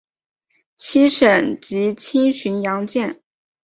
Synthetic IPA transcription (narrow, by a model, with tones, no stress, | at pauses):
t͡ɕʰi˥ʂə˨˩nt͡ɕi˧˥t͡ɕʰi˥nɕy˧˥njɑ˧˥ŋt͡ɕjɛ˥˩n